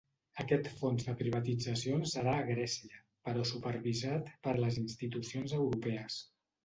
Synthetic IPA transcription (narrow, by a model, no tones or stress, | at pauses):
əkɛt̪fonzðəpɾiβ̞ət̪id͡zəsionsəɾaəɣɾɛsiə | pəɾɔsupəɾβizat̪pəɾləzinst̪it̪usionzəwɾupɛəs